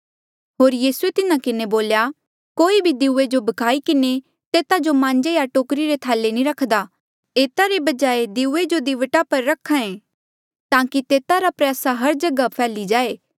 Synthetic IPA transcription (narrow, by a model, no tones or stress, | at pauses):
ɦoːɾjiːsuet̪ɪnakɪneboːlja | koːibʱid̪ɪuːed͡ʒobɐkʰaːikɪne | t̪eːt̪ad͡ʒomãːɲd͡ʒejaʈoːkɾiɾet̪ʰɛːlːenĩɾɐkʰd̪aː | eːt̪aɾebɐd͡ʒaːed̪ɪued͡ʒod̪iʋəʈapɐɾːɐkʰːãẽː | t̪ãːkit̪eːt̪aɾapɾjaːsaɦɐɾd͡ʒɐɡapʰɛːlid͡ʒaːeː